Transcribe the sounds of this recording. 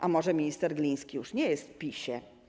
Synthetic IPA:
ʔamɔʐɛmʲiɲist̪ɛɾɡlʲij̃skʲijuʂɲɛjɛst̪fpʲiɕɛ

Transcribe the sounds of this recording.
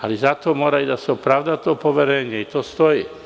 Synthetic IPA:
alɛzat̪ɔmɔɾaid̪asɔpɾaʊd̪at̪ɔpɔʋɛɾɛɲɪɛit̪ɔst̪ɔji

